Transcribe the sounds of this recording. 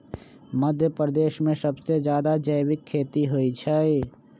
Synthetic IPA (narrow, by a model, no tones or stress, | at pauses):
məd̪ʱjəpɾəd̪eːʃmẽsɐbsed͡ʒjaːd̪ad͡ʒəjwɪkʰːeːt̪iɦoit͡ʃʰɛe